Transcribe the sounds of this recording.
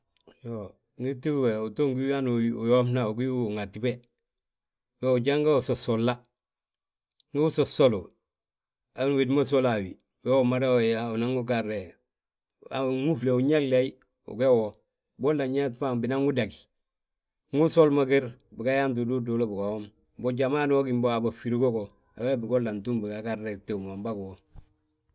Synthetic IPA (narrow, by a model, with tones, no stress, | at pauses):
jo | ŋi˦ti˦we˨uto˦ŋɡi˦anuu˨jomna˨u˨ɡi˦wŋati˦be | keu˨ɟa˦ŋɡa˦u˨so˨solːa | ŋi˦u˦so˨solo˨ | a˨˦nwi˨dma˦s̬olawḭ˨ | jo˦maɾeoau˨naŋɡukaɾe˨ | aŋu˦fleu˨ɲa˦llai | ṵ˨ɡe˦wo | bo˦lːa˨ɲa˦tpambina˦ŋu˦daɡi̥ | ŋu˦solmaɡe˦ɾbi˨ɡajant̬u˨du˦dolo˦bu˨ɡaom | boɟamaː˦nwo˦ɡimbo˦aba˨fi˨ɾiɡo˦ko | a̰˨we˦bi˨ɡolːa˨ntu˦mbi˨ɡakarːete˨mo˨mba˦kwo